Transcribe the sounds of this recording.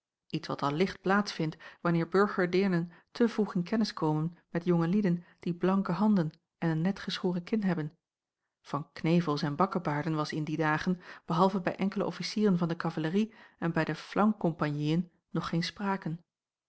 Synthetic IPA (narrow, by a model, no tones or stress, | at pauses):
itsʋɑ̰tɑlɪχt̚plaːtsfɪntʋɑnɪːɹbɵɹχəɹdɪɹnəntʰəvruχɪnkɛnəskowmənmɛtjoŋəlidənd̥iblɑŋkəɦɑndən | ʔɛnənːɛtχəsχoːrəkɪnɦɛbən | v̥ɑnknejvəlˠsɛnbɑkəbaːɹdənʋɑsɪndidaːχənb̥əɦɑlˠvəbɛjʔɛŋkələ̰ʔɔfisiːrənvɑndəkɑvaləriɛnbɛjdəflʔɑŋkɔmpanjiənː | ɔχːejnspraːkən